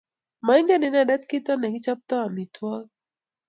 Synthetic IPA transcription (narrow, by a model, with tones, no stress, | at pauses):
ma˨i˦ŋɡɛ˦nɪ˨na˨da˦t̪kɪ˦t̪ɔ˦nɛ˨ɡi˦t͡ʃa˦p̚t̪ɔ˦a˨mi˨twɔ˦